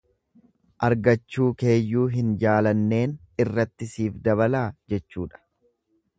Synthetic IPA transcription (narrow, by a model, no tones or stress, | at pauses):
ʔɐɾɡɐt͡ʃːuːke̞ːjːuːɦɪnd͡ʒaːlɐnːe̞ːnɪrːɐt̪ːɪsiːfd̪ɐβɐlaːd͡ʒɛt͡ʃːuːᶑɐ̥